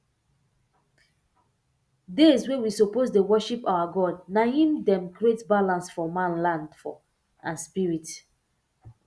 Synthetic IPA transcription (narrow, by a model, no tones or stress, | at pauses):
deswewisoposdewɔʃipawaɡɔd̚nahĩmdɛ̃mɡɾietbalãnsfɔmãnlãndfɔ̰ | ãnspiɹit